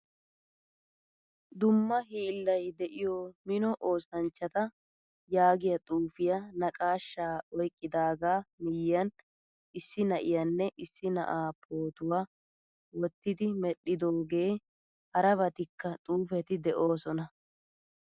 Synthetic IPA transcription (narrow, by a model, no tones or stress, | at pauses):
d̪ʊmːɐɦiːlːɐjd̪ɛʔɪjɔmɪnɔʔo̞ːsɐnt͡ʃːɐt̪ɐ | jaːɡɪjɐt̪ʼuːfɪjɐnɐkʼaːʃːaːɔjkʼːɪd̪aːɡaːmɪjjɐn | ʔɪsːɪnɐʔɪjɐnːɛʔɪsːɪnɐ̰ʔaːpʰo̞ːt̪ʊwaː | wɔt̪ːɪd̪ɪmɛɗɪd̪oːɡe̞ː | hɐɾɐβɐt̪ɪkːɐt̪ʼuːfɛt̪ɪd̪ɛʔo̞ːsɔnɐ